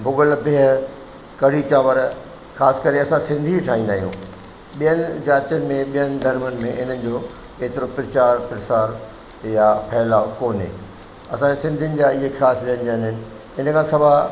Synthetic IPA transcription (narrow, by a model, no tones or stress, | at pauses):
bʱʊɡəlpɪɦə | kɐɽit͡ɕaːʋəɾ | xaːsɪ̥kɐɾeɐsãsɪ̃nd̪ʱiʈʰaːɦĩn̆d̪aːɦijṵ̃ː | ɓijənɪ̆d͡ʑaːɾt̪jʊnɪ̆mẽɓijənɪ̆d̪ʱɐɾmənɪ̆mẽɪn̤ənɪ̆d͡ʑoː | eːt̪ɪɾopɾɐt͡ɕaːɾpɾɪsaːɾ | japʰɐːɪlaːkoːnɦḛː | ɐsãd͡ʑesɪ̃nd̪ʱijənɪ̆d͡ʑaːɪɦexaːsbijənɪ̆ɗiənɦɪnɪ̆ | ɪnəkʰãːsɐbʱa